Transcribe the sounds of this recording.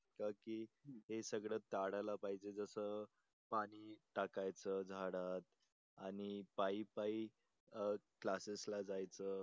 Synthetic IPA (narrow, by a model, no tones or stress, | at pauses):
kakiːɦesəɡɭət̪aɽalapaɦid͡ʑed͡zəsə | paɽ̃iːʈakajt͡səd͡zʱaɽat̪ | aɽ̃ipaipai | klaseslad͡zajt͡sə